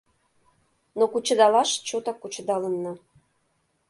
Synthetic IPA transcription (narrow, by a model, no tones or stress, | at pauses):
nokut͡ɕə̆d̪ɑlɑʃt͡ɕot̪ɑkut͡ɕə̆d̪ɑlənːɤ